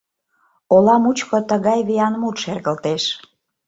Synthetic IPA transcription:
olɑmut͡ɕkot̪əɣɑjβejɑnmut̪ʃerɣəlt̪eʃ

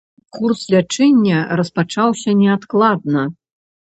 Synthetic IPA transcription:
kurslʲat͡ʂɛnʲːɐɾɐspat͡ʂawsʲɐnʲɛat̪klˠad̪̚nɐ

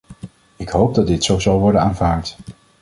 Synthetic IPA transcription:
ɪkɦowp̚dɑdɪtsowzɑlˠʋɔɹdənaːnvaːɹt

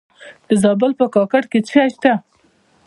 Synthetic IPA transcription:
d̪̥əzɑbəlpəkɑkaɽket͡səaʃt̪a

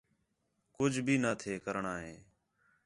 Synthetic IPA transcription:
kʊd͡ʒʱbʱiːnaːt̪ʰeːkəɾɳaːɦẽː

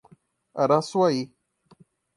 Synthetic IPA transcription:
a̰ɾaswai

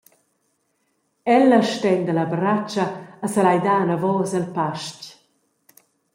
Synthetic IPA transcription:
ɛləʃtɛnd̪əlɐbɾat͡ʃɐːsəlajd̪aːnavɔːzəlpaʃc

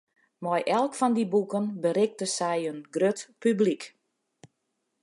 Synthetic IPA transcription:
mɔjʔɛlˠkfɔndibukənbəɾɪk̚təsɛjənɡrøtpyblik

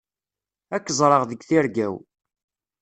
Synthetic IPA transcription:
ækːzˤɾˤəʁðəɡθiɾɡæw

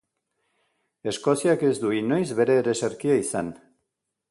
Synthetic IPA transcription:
e̞sko̞siake̞zd̪uino̞jzβe̞ɾe̞ːɾeseɾkiaisan

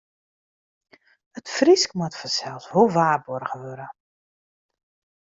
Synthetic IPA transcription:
ətfriskmatfɔsɛlˠsʋolˠʋaːrbɔrɣəʋøɾə

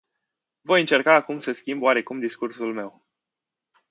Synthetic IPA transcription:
vo̞jɨnt͡ʃe̞rkaːkumsəskʲimbaɾe̞kumd̪iskursulme̞w

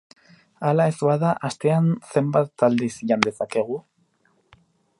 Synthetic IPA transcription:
alae̞zaðaʔast̪e̞anse̞mbat̪ːald̪isiʎand̪e̞sake̞ɣ̞u

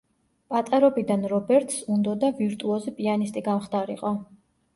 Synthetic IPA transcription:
pʼat̪ʼaɾɔbid̪anɾɔbɛɾt̪ʰsund̪ɔd̪aviɾt̪ʼuɔzipʼianist̪ʼiɡamχd̪aɾḭqʼɔ

